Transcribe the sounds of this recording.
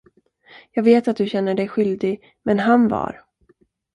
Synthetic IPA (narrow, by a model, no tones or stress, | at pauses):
jɑːɡveːt̪at̪̚d̪ɵɕɛnːəɖɛjɧʏld̪ɪɡ | mɛnɦanvɑ̰ɾ